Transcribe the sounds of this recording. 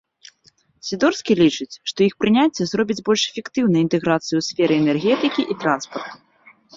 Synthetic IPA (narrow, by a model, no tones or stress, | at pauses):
sʲid̪ɔrskʲilʲit͡ʂɨt͡sʲʂt̪ɔixpɾɨnʲat͡sʲːɛzrɔbʲid͡zʲbɔlʲʂɛfʲɛkt̪ɨwnɐjint̪ɛɣɾat̪sɨjuwsʲfʲɛɾɨɛnɛrɣʲɛt̪ɨkʲiʔit̪ɾanspɐrt̪u̥